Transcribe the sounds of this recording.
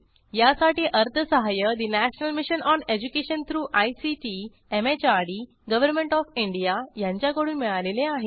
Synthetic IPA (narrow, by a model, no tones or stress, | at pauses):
jasaʈiːʔəɾt̪ʰəsəɦajəd̪inæɕənəlmiɕənɔned͡ʑukeɕənt̪ʰɾuːʔajsiʈi | emet͡ɕaɾɽi | ɡəʋəɾmeɳʈɔfiɳɖijajãɲt͡ɕjakəɽuːnmiɭaleleaɦe